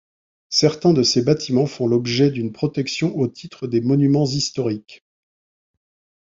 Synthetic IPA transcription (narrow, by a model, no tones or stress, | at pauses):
sɛʁt̪ɛ̃d̪əsebat̪ʰimɑ̃fɔ̃lɔbʒɛd̪ynpχɔt̪ɛksjɔ̃ʔot̪ʰit̪χəd̪emɔnymɑ̃zist̪ɔʁik